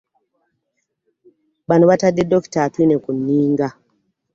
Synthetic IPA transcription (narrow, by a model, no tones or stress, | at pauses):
ɓanwatadɛdɔktatinɛkuniːŋɡa